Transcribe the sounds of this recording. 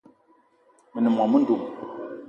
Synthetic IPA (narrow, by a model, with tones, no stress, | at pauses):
mi˨nə˨ma˨mə˦ndu˨ʔ